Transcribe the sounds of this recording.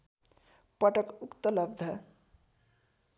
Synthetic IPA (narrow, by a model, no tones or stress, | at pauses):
pəʈəkukt̪ələbd̪ʱə